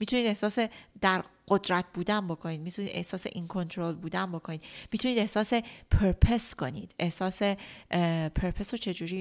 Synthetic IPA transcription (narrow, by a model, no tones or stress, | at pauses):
miːt̪ʰuniːd̪e̞hsɒːsed̪̥æɾɢ̥od̪ɾæt̪̚ʰbuːd̪ænbokʰo̞niːd̪̚miːt̪ʰuniːd̪e̞̰hsɒːse̞̰ʔinkʰo̞nt̪ʰɾolbuːd̪ænbokʰoniːd̪miːt̪ʰuniːd̪e̞hsɒːse̞pʰeɾpʰeskʰo̞niːd̪̥e̞hsɒːse̞ | pʰeɾpʰesɾot͡ʃʰe̞d͡ʒuːɾiː